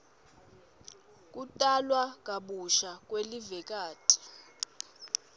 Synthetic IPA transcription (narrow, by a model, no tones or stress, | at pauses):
k̬ʼutʼalwak̬ʼaɓuʃak̬ʼwelivɛk̬ʼaːtʼi̥